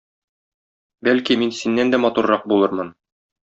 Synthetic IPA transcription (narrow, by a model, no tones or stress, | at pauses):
bælkiminsinːænd̪æmɒt̪uɾːɑq̚bulˠɤɾmɤn